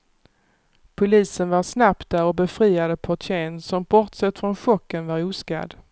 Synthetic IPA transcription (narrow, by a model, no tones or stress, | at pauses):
pʰʊliːsənvaɾsnap̚t̪̚d̪æɾɔbɛfɾiːad̪əpʰɔʈʰeːnsɔmbɔɾt̪sɛt̪ːfɾɔnɧɔkːənvaɾuːska̰d̪